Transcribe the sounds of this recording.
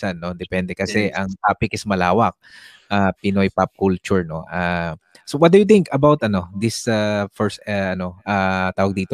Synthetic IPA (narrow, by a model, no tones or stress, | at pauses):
sanːo̞d̪ɛpɛnd̪ɛkɐsɛʔɐŋt̪aːpɪkɪsmɐlaːwɐk̚ | ʔapɪnojpap̚kult͡ʃʊɹno̞̰ʔasowɐt̚d̪ujʊt̪ɪŋkɐbawt̪ɐno̞d̪ɪsafɛɹsɐʔɐno̞ʔat̪aːwɐɡ̚d̪iːt̪o